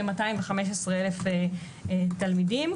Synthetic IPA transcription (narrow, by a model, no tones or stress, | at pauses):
emataimveχame̞ʃ̬esʁeelefe | talmidim